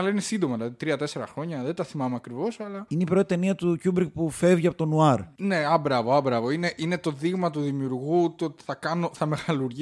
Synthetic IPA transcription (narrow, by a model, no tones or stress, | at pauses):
ɐlɐine̞sind̪o̞mɐðilɐðit̪ɾiɐt̪e̞se̞ɾɐ̰xɾo̞ɲɐðet̪ɐθimɐmeɐkɾivo̞sɐlɐineipɾo̞t̪it̪e̞niɐt̪ucubɾkpufe̞vʝiɐpo̞t̪o̞nuɐɾne̞ɐbɾɐvoɐbɾɐvo̞ine̞ʔinet̪o̞ðiɣmɐt̪uðimiuɾɣut̪ot̪i̥θɐkɐno̞θɐme̞ɣɐluɾʝi